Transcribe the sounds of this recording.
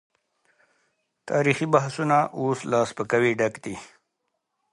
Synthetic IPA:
t̪ɑːɾixibaɦsunaʔoːslɑːspəkawiɖakd̪i

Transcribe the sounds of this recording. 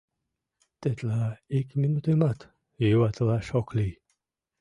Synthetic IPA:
t̪et̪laikʰminut̪emat̪ | uat̪ʰlaʃɔkʰli

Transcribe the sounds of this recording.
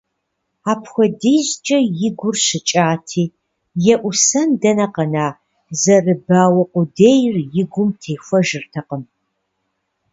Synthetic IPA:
aːpʰxʷɔdeːʑt͡ʃʼɐjɪɡʷʊrɕɪt͡ʃʼaːtʰiː | jɛʔʷʊsɐndɐnɐqɐnaː | zɐrɨbaːwɐqʷʊdeːjrjɪɡʷʊmtʰeːfʷɐʒɨrtʰɐqəm

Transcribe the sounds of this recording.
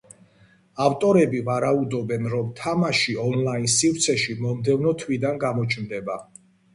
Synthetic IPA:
aft̪ʼɔɾɛbivaɾaud̪ɔbɛnɾɔmt̪ʰamaʃiɔnlainsifɾt̪sʰɛʃimɔmd̪ɛvnɔt̪ʰwid̪anɡamɔt͡ʃʰmd̪ɛba

